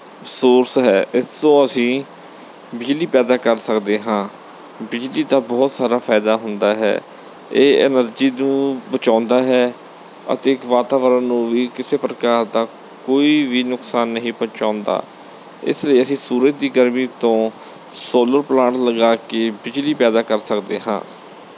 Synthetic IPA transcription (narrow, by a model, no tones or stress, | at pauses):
soːɾsɦɛːʔɪsõːəsĩː | bɪd͡ʒliːpɛːd̪aːkəɾsəkd̪eːɦãː | bɪd͡ʒliːd̪aːbɔːt̪saːɾaːpʰaːɪd̪aːɦʊnd̪aːɦɛ̰ː | eːɪ̰nəɾd͡ʒiːnũːbət͡ʃãːnd̪aːɦɛː | ə̰t̪eːkʋaːt̪aːʋəɾənnũːʋiːkɪseːpɾəkaːɾd̪aː | koːiːʋiːnʊksaːnːəɦĩːpə̃t͡ʃãːʊ̃nd̪a̰ː | ɪ̰sləiːəsĩːsuːɾət̪̚d̪iːɡəɾmĩːt̪õː | soːləɾplãːɳʈləɡaːkeːbɪd͡ʒliːpɛːd̪aːkəɾsəkd̪eːɦã̰ː